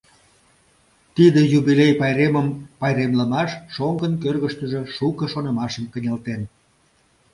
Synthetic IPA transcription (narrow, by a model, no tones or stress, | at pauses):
t̪id̪əjubilejpɑjɾeməmpɑjɾemləmɑʃːoŋɡənkørɣəʃt̪əʒə̽ʃukəʃonə̆mɑʃəmkənʲɑlt̪en